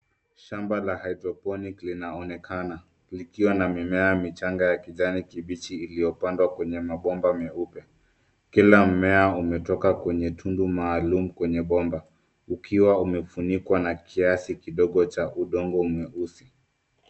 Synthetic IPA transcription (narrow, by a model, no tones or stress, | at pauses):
ʃambalahajdɾɔpɔniklinaɔnɛkʰana | likiwanamimɛamit͡ʃaŋɡajakiʄanikiɓit͡ʃiːlijɔpandwakwɛɲɛmaɓɔmbamɛupja | kilam̩mɛaumɛtɔkakwɛɲɛtʰundumaːlum̩kwɛɲɛɓɔmba | ukʰiwaumɛfunikwanakʰiasikiɗɔɠɔt͡ʃaʔuɗɔŋɡɔumɛusi